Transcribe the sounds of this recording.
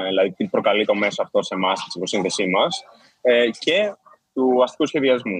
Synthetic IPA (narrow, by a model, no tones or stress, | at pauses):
ðilɐðit̪ipɾo̞kɐlit̪o̞me̞soɐft̪o̞se̞mɐst̪i̥sikosinθe̞simɐs | ce̞ | t̪uɐst̪i̥kusçe̞ðiɐzmu